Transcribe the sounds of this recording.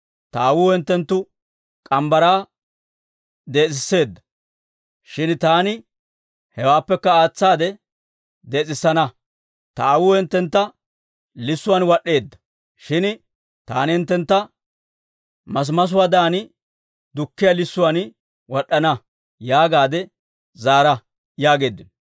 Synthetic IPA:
t̪ɐːwʊːhɛnt̪ːɛnt̪ːʊ | kʼɐmbɐɾaː | d̪e̞ːt͡sʼɪsːe̞ːd̪ːɐ̥ | ʃɪnt̪aːnɪ | hɛwaːpːɛkːɐaːt͡sːaːd̪ɛ | d̪e̞ːt͡sʼɪsːɐnɐ | t̪ɐːwʊːhɛnt̪ːɛnt̪ːɐ | lɪsːʊwanwɐɗːe̞ːd̪ːɐ̥ | ʃɪn | t̪a̰ːnɪhɪnt̪ːɛnt̪ːɐ | mɐs̬mɐs̬ʊwaːd̪aːnɪ | d̪ʊkːɪjalɪsːʊwan | wɐɗːɐnɐ | jaːɡaːd̪ɛ | zaːɾɐ | jaːɡe̞ːd̪ːɪn

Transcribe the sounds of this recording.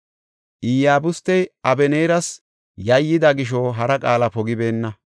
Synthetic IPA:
ʔɪjaːbʊst̪ːɛjʔɐbɛneːɾɐs | jɐjːɪd̪ɐɡɪʃ̬oɦɐɾɐkʼaːlɐpɔɡɪbe̞ːnːɐ

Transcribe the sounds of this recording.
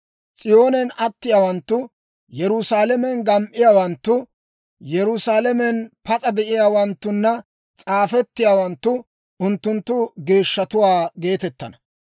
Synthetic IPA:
t͡sʼɪjo̞ːnɛnɐt̪ːɪjaːwɐnt̪ːʊ | jɛɾʊsaːlɛmɛnɡɐmʔɪjaːwɐnt̪ːʊ | jɛɾʊsaːlɛmɛnpɐt͡sʼɐd̪ɛʔɪjaːwɐnt̪ːʊnːɐ | t͡sʼaːfɛt̪ːɪjaːwɐnt̪ːʊ | ʊnt̪ːʊnt̪ːʊɡe̞ːʃːɐt̪ʊwaːɡe̞ːt̪ɛt̪ːɐnɐ

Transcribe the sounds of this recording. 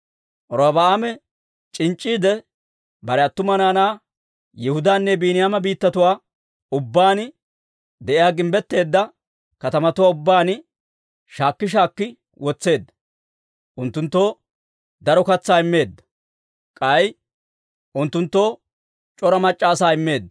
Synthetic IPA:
ʔɔɾobaaːmɛ | t͡ʃʼɪnt͡ʃʼːiːd̪ɛ | bɐɾɛɐt̪ːʊmɐnaːnaː | jɛhʊd̪aːnːɛbiːnɪjaːmɐbiːt̪ːɐt̪ʊwaː | ʊbːaːn | d̪ɛʔɪjaːɡɪmbɛt̪ːe̞ːd̪ːɐ | kɐt̪ɐmɐt̪ʊwaːʊbːaːn | ʃaːkːɪʃ̬aːkːɪ | wɔt͡sːe̞ːd̪ːɐ̥ | ʔʊnt̪ːʊnt̪ːo̞ː | d̪ɐɾɔkɐt͡sːaːɪmːe̞ːd̪ːɐ̥ | kʼɐj | ʔʊnt̪ːʊnt̪ːo̞ː | t͡ʃʼɔɾɐmɐt͡ʃʼːaːsaːɪmːe̞ːd̪ːɐ

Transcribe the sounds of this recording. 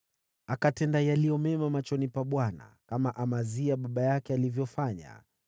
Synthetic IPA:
akatɛndajalijɔmɛmamat͡ʃɔnipaɓwana̰kamaʔamaziaɓaɓajakɛalivjɔfaɲa̰

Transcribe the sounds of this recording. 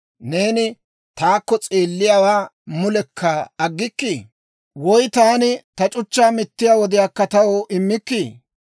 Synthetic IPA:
ne̞ːnɪ | t̪aːkːɔt͡sʼe̞ːlːɪjawaːmʊlɛkʰːɐɐɡːɪkːi | wɔjt̪aːnɪt̪ɐt͡ʃʼʊt͡ʃːaːmɪt̪ːɪjaːwɔd̪ɪjaːkːɐt̪ɐwɔʔɪmːɪkːiː

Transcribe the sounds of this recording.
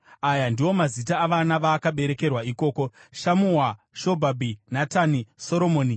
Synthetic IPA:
ajandiwo̞mazitaːʋanaʋaːkaɓe̞ɾe̞ke̞rwaiko̞ːko̞ʃamuɦwa | ʃo̞bʱabʱinataniso̞ɾo̞mo̞ːni

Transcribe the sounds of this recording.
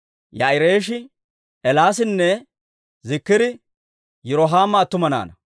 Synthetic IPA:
jaɪɾeːʃɪ | ɛlaːs̬ɪnːɛ | zɪkːɪd̪ɪ | jɛɾɔɦaːmːɐːt̪ːʊmɐna̰ːnɐ

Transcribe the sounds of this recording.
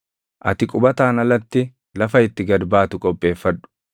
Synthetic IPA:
ʔɐt̪ɪkʼʊbɐt̪aːnɐlɐt̪ːɪ | lɐfɐɪt̪ːɪɡɐɾbaːt̪ʊkʼɔpʼːe̞ːfːɐᶑʊ̥

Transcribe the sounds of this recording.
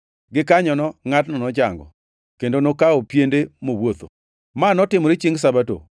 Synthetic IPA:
ɡɪkaɲɔnɔŋatnɔnɔd͡ʒaŋɡɔ̰ | kendonokaopjendemowot̪o̰ | manɔtɪmɔɾit͡ʃiŋɡsabato̰

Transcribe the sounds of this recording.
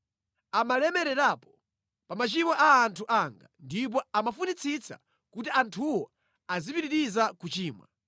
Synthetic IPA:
amalɛmɛɾɛɾaːpɔ̥ | pamat͡ʃimɔʔaːntʰuʔaŋɡa̰ndip̬ɔamafunit͡sʰit͡sʰa̰ | kutiantʰuwɔ | azipiɾiɾizakut͡ʃiːmwa̰

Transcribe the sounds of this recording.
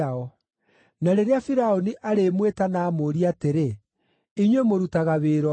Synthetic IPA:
ɔ | naɾeɾeafiɾaɔniʔaɾemwetanaːmoɾiateɾe | iɲwemoɾutaɣaβeːɾɔ

